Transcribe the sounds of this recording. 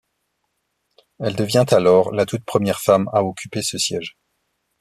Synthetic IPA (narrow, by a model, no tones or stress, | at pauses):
ɛld̪əvjɛ̃t̪alɔʁlat̪ut̪̚pχəmjɛʁfamaɔkʲypesəsjɛʒ